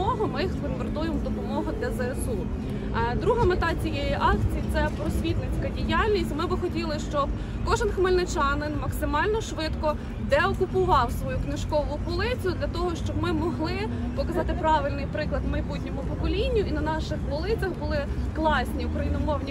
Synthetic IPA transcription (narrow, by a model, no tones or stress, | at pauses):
ɔɦɔmɪjxskɔnɡɔɾd̪ujemd̪ɔpɔmɔɦʊd̪lʲɐzɛsu | d̪ɾuɦɪmet̪ɑt͡sʲijejiʔɑkt͡sʲijit̪sɛpɾɔsʲʋʲit̪nɪt͡sʲkɐdʲijɑlʲnʲisʲtʲmɪbɪxɔtʲilˠɪʃt͡ʃɔb | kɔʒenxmɐlʲnɪt͡ʃɑnɪnmɐksɪmɑlʲnɔʃʋɪt̪kɔ | d̪ɛɔkʊpʊʋɑwsʋɔjuknɪʃkɔʋʊpɔlˠɪt͡sʲijʊd̪lʲɐt̪ɔɦɔʃt͡ʃɔb̚mɪmɔɦlˠɪ | pɔkɐzɑt̪ɪpɾɑʋɪlʲnɪjpɾɪklˠɐd̪mɐjbutʲnʲɔmʊpɔkɔlʲinʲːʊʔinɐnɑʃɪxʋɔlˠɪt͡sʲɐxbʊlˠɪklˠɑsʲnʲiʊkɾɐjinɔmɔwnʲi